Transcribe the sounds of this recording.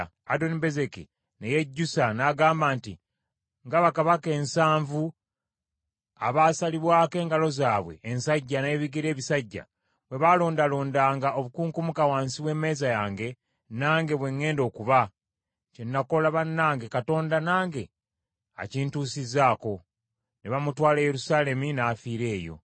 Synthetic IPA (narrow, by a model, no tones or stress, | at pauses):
ado̞nibe̞ze̞kḭ | neje̞ɟːusanaɡaːmbaːntḭ | ŋɡaβakaβake̞ːnsaːɱvu | a̰βasaliβwaːke̞ːŋɡalo̞zaːβwe̞̰ʔːnsaɟːane̞ːβiɡiɾe̞ːβisaɟːa̰ | βwe̞βalo̞ːndalo̞ːndaːŋɡao̞βukuːŋkumukawaːnsiβwe̞ːme̞ːzajaːŋɡe̞ | naːŋɡe̞βwe̞ŋːe̞ːndo̞ːkuβa | cenːako̞laβanːaːŋɡe̞kato̞ːndanaːŋɡe̞ | a̰ciːntuːsizaːko̞ | neβamutwaːlejeɾusaːle̞minafiːɾe̞ːjo̞̰